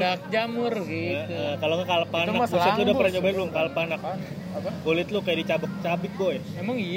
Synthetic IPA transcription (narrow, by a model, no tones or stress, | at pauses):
ak̚d͡ʒamʊrəkaloŋɡakalapanabusɪt̪ludapərɾaɲt͡ʃobaluŋkalapanak̚ | bolɪt̪̚lʊkajadit͡ʃabʊk̚t͡ʃabɪk̪̚ɡoɛmemaŋi